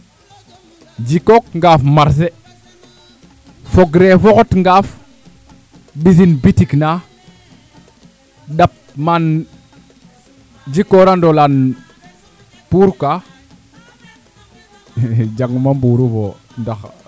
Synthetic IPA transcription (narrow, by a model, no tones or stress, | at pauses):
d͡ʒikok̚ŋɡafmaɾs̬e | foɡɾefokotŋɡaf | ɓis̬inbitikna | ɗap̚man | d͡ʒikoɾandolan | puɾka | d͡ʒaŋmambuɾuvo | ndax